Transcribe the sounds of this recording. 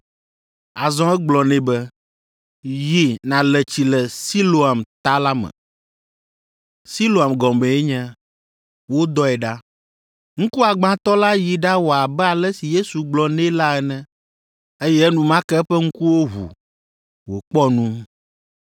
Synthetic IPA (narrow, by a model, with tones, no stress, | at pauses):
a˨zɔ̃˦ɛ˦ɡ͡blɔ˨nɛ̃˦bɛ˦ | ji˦nã˨lɛ˨t͡ɕi˨lɛ˨si˦lo˦a˨mt̪a˦la˦mɛ̰̃˨ | si˦lo˦˨a˨mɡɔ̃˨mɛ̃˨ɛ˦ɲɛ̃˦ | wo˦d̪ɔ˦ɛ˨ɖa˦ | ŋ̩̃˦ku˦a˨ɡ͡bã˦t̪ɔ˦la˦ji˨ɖa˦wo˨a˨bɛ˦a˨lɛ˦si˨je˦su˨ɡ͡blɔ˨nɛ̃˦la˦ɛ˨nɛ̃˦ | e˦jɛ˦nũ˨mã˦kɛ˦ɸɛ˦ŋ̩˦ku˦wo˦ɦṵ˨ | wo˨k͡pɔ˦nũ˦